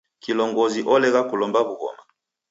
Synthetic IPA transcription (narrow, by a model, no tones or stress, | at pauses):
kilɔŋɡɔziʔɔlɛɣakulɔmbaβuɣɔ̰ma